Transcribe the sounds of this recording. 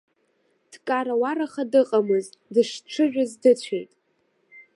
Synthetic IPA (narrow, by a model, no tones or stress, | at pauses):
d̥kʼaɾawaɾaχadɨqʼamɨzdɨʂʈ͡ʂʰɨʒᶣʊzdɨt͡ɕʷʰeɥtʼ